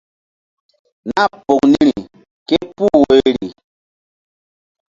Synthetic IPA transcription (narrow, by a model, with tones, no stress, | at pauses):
na˦˨po˨kni˦ɾi˨ | ke˦pu˦we˦ɾi˨